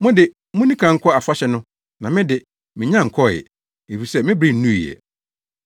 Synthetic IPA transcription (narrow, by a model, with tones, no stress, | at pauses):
mʊ̃˦dɪ˨ | mʊ̃˦nĩ˦kʰã˨ŋ̩˦kʰɔ˦a˨fa˦ɕɛ˨nʊ̃˦ | nã˨mɪ̃˦dɪ˨ | mɪ̃˨ɲã˦˨ŋ̩˨kʰɔ˦˨ɛ̰˨ | e˨fi˨sɛ˦mɪ̃˦bɾi˦˨n̩ː˦ũ˦i˨ɛ̰˨